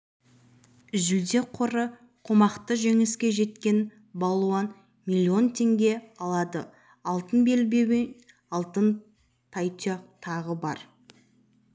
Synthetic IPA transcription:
ʏzʏld̪e̞qʰoɾə | qʰomɑqt̪əʒe̞ŋɪskʲe̞ʒe̞t̪kʲe̞n | bɑlˠuɑn | milʲːio̞nt̪ʰe̞ŋɡʲe̞ɑlˠɑd̪ə | ɑlˠt̪ənbe̞lbe̞wen | ɑlˠt̪ən | t̪ʰɑjt̪ʰeqt̪ʰɑʁəbɑɾ

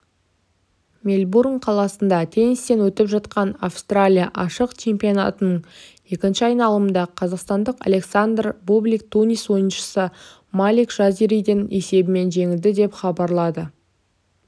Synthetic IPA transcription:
mʲelʲburŋqʰɑlˠɑsənd̪ɑt̪ʰe̞nist̪e̞nwɵt̪ɪpʒɑt̪qɑnafst̪ralʲija̰ʔɑʃəqt͡ʃʰe̞mpʲijona̰t̪ənəɴje̞kʲɪnʃɪɑjnɑlˠəmənd̪ɑqʰɑzɑqst̪ɑnd̪əqa̰lʲe̞ksand̪rbublʲik̚t̪unʲiswo̞jənʃə̥sə | malʲikʒ̥aziɾijd̪əne̞se̞bɪme̞nʒe̞ŋʲɪld̪ɪd̪e̞pχɑbɑɾlˠɑd̪ə

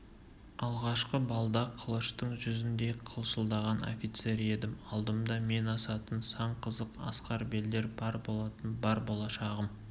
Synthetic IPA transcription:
ɑlˠʁɑʃqəbɑlˠd̪ɑqʰəlˠəʃt̪əɴʒʏzɪnd̪e̞qʰəlˠʃəlˠd̪ɑʁɑno̰fʲijt̪se̞ɾe̞d̪ɪmɑlˠd̪əmd̪ɑme̞nɑsɑt̪ənsɑɴqʰəzəqɑ̰sqɑɾbe̞ld̪e̞ɾbɑɾbo̞lˠɑt̪ənbɑɾbo̞lˠɑʃɑʁəm

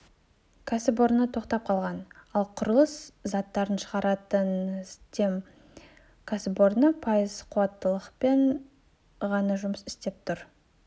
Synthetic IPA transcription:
kʰasɪbo̞ɾnət̪ʰo̞qt̪ɑp̚qʰɑlˠʁɑnɑlˠqʰʊɾəlˠəszɑt̪ːɑɾənʃəʁɑɾɑt̪ənst̪e̞m | kʰasɪpo̞ɾnəpʰɑjəzqʰʊwɑt̪ːəlˠəqpe̞ɴ | ʁɑnɑʒʊməsɪ̥st̪e̞p̚t̪ʰʊɾ

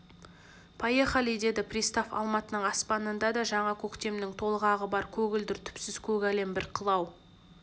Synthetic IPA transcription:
pʰɑjeχɑlijd̪e̞d̪ɪprʲist̪afɑ̰lˠmɑt̪ənəɴɑspɑnənd̪ɑd̪ɑʒɑɴɑkʲʰɵkt̪e̞mnɪŋt̪ʰo̞lˠʁɑʁəbɑɾkʲʰɵɡʲɪld̪ɪɾt̪ʰʏ̥psɪz̥kʲʰɵɡʲæle̞mbɪɾqʰəlˠɑw

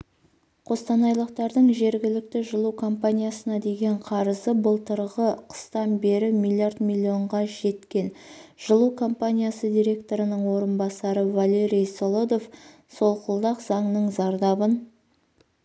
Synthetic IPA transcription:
qʰo̞st̪ɑnɑjlˠəqt̪ɑɾd̪əɴʒe̞ɾɡʲɪlɪk̚t̪ɪʒəlˠuwkʰo̞mpanʲijasənɑd̪e̞ɡʲe̞ɴqʰɑɾəzəbəlˠt̪əɾʁəqʰə̥st̪ɑnbe̞ɾɪmilʲˠijard̪mʲilʲio̞ɴʁɑʒe̞t̪kʲe̞nʒ̥əlˠuwkʰo̞mpanʲijasəd̪ʲijɾʲe̞k̚t̪o̞ɾənəɴwo̞ɾənbɑsɑɾəvalʲe̞ɾʲijso̞lˠod̪of | so̞lˠqʊlˠd̪ɑqzɑɴnəɴzɑɾd̪ɑbən

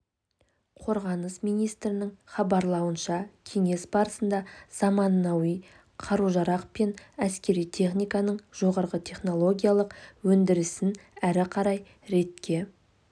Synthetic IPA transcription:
qʰo̞ɾʁɑnəsmijnijst̪ɾɪnɪŋχɑbɑɾlˠɑwənʃɑkʲʰe̞ŋe̞sbɑɾəsənd̪ɑz̥ɑmɑnːɑwij | qʰɑɾuʒɑɾɑqpe̞næskʲe̞ɾijt̪ʰe̞χnijkɑnəɴʒ̥o̞ʁɑɾʁət̪ʰe̞χno̞lˠo̞ɡʲijalˠəqwɵnd̪ɪɾɪsɪnæɾɪqʰɑɾɑj | ɾe̞t̪kʲe̞

